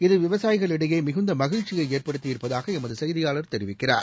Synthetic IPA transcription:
ɪðɯʋɪʋɐsaːjɪɣɐɭɪɽɐjeːmɪɣɯnd̪ɐmɐɣɪɻt͡ʃːɪɣɐɪeːrpɐɽɯt̪ːɪɪɾpːɐðaːɣɐɛmɐðɯsɐjðɪjaːɭɐɾt̪ɛɾɪʋɪkːɪra̰ːɾ

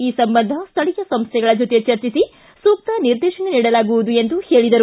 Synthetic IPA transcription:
iːsɐmbɐnd̪ʱɐst̪ʰɐɭikɐsɐmst̪ʰjɛɡɐɭɐd͡ʒot̪ijet͡ʃɐɾt͡ʃisi | suːk̚t̪ɐniɾd̪ɛːʃɐneniːɽɐlaːɡuʋud̪ue̞nd̪uheːɭid̪ɐɾu

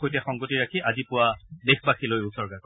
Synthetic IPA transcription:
ojtɛxɔŋɡotiɹakʰiʔazipʊwadexbaxʰilojʊsɔɹɡakɔ

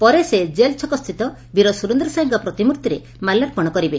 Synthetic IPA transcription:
pɔɾesed͡ʒelt͡ʃʰɔkɔst̪ʰit̪ɔ | biɾɔsuɾund̪ɾɔsaiŋkɔpɾɔt̪imuɾt̪iɾe | malːaɾpɔɽ̃ɔkɔɾibe

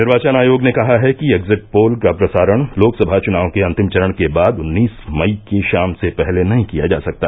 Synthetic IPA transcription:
nɪɾʋaːt͡ʃənaːjoːɡnekɐɦaɦɛkieɡzɪʈ̚poːlkapɾɐsaːɾəɽ̃loːksɐbʱat͡ʃʊnaːʋõkeɐ̃nt̪ɪmt͡ʃɐɾəɽ̃kebaːd̪ʊnːiːsmɐikeʃaːmsepɛɦlenɐɦĩkijad͡ʒa̰ːsɐk̚t̪a̰ː

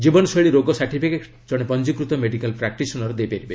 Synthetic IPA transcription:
d͡ʒibɔnɔsɔɭiɾoɡɔsaʈʰipʰike | d͡ʒɔɽ̃epɔnd͡ʒikɾut̪ɔmeɖikalpɾak̚ʈisɔnɔɾɔd̪ejpeɾibe

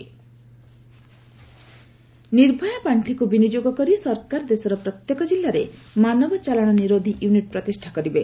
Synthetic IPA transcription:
niɾbʱɔjapaɳʈʰikubinid͡ʒoɡɔkɔɾisɔɾkaɾd̪esɔɾɔpɾɔt̪jekɔd͡ʒilːaɾemanɔbɔt͡ʃalaɽ̃ɔniɾod̪ʱiʔjuniʈ̚pɾɔt̪isʈʰakɔɾibe

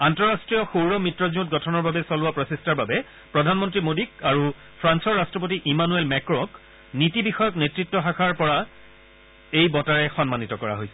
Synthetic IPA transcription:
antɔɹastɹijɔxuɹɔmɹitːɹɔziutɡɔtʰɔnɔɹbabɛsɔlʊapɹɔsistaɹbabɛ | pɹɔdʱanmɔntɹimodik̚aɹu | pʰɹansɔɹːastɹɔp̬otiʔimanuelmɛkɹɔ̃k | nitibixɔjɔknetɹitːɔxakʰaɹpɔɹa | ejbɔtaɹɛxɔnmanitɔkɔɹa̰ɦojsɛ

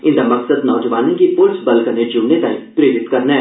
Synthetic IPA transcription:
ɪ̃nd̪amɐqsəd̪nɔːd͡ʒəʋaːnĩkipʊlsbɐlkəned͡ʒʊmnet̪aːĩpɾeːɾɪt̪kɐɾnaɦɛ

